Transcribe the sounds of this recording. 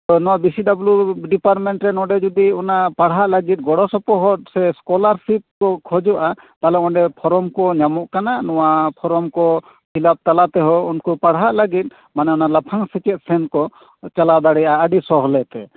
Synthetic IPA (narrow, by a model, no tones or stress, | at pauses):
ɔnɔwabisiɖabluɖipaɾʈmɛɳʈɾɛnɔɖɛd͡ʒud̪iɔnapaɽɦaʔlaɡit̪̚ˀɡɔɽɔsɔpɔɦɔt̪̚sɛskɔlaɾsip̚kɔkʰɔd͡ʒɔʔa | t̪alɛɔ̃ɖɛpʰɔɾɔmkɔɲamɔʔkananɔwapʰɔɾɔmkɔ | pʰilap̚t̪alat̪ɛɦɔunkɔpaɽɦaʔlaɡit̪̚ˀ | manɛɔnalapʰaŋsɛt͡ʃɛt̪̚sɛnkɔ | t͡ʃalad̪aɽɛjaəɖisɔɦɔlɛt̪ɛ